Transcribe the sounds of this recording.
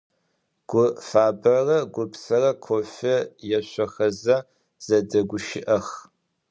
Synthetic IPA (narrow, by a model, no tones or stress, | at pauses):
ɡ̥ʷʊfaːbɐrɐɡʷʊpsɐrɐkʷʰofɐjɛɕʷɔxɐzɐ | z̥ɐdɐɡʷʊʃɪʔɐx